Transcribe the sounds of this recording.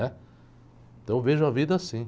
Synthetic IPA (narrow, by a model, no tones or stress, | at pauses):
ɛ̃ | t̪ɐ̃w̃veʒʊɐvid̪ɐasĩ